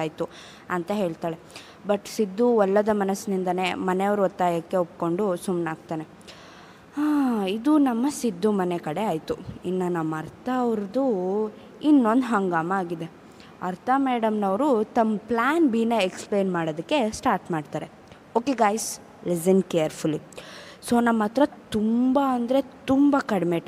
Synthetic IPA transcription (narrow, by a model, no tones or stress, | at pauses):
aːjt̪u | ɐnt̪ɐɦe̞ːɭt̪aːɭe̞ | bɐʈsid̪ːuɔlːɐd̪ɐmɐnɐsnind̪ɐne̞mɐneɐʋɐɾuɔt̪ːaːjɐkːe̞up̚ko̞ɳɖusumnaːɡt̪aːne̞ | aːid̪unɐmːɐsid̪ːumɐnekɐɽeaːjt̪uinːɐnɐmːɐɐɾt̪ʰɐʋɾd̪u | inːo̞nd̪ɦɐŋɡaːmɐaːɡid̪e̞ | ɐɾt̪ʰɐmeːɽɐmnɐʋɾut̪ɐmːplaːnbiːnɐekspleːnmaːɽod̪ɐkːe̞sʈaːɾʈmaːɖt̪aːɾe̞ | oːkeɡaːjs | lis̬ɐnkejɐɾpʰuli | soːnɐmːɐt̪ɾɐt̪umbaɐnd̪ɾe̞t̪umbɐkɐɽmeːʈ